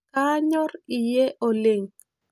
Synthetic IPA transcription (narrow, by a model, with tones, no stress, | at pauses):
ka˦ɲɔ˦rɪ˨je˦ʔo˨lɪ˨ŋ